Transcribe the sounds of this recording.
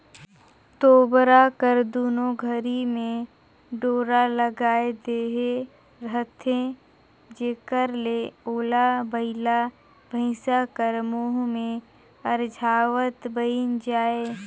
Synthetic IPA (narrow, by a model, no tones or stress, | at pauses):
t̪oːbɾakəɾd̪uːnoɡʱəɾimẽ | ɖoːɾaləɡaːed̪eːɦe | ɾəɦt̪ʰẽ | d͡ʒeːkəɾleoːlabəɪla | bʱəɪsakəɾmoɦmẽ | əɾd͡ʒʱaːʋət̪bəind͡ʒaːeː